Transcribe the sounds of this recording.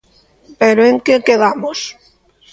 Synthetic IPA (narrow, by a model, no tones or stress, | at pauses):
peɾoeŋkekeðamos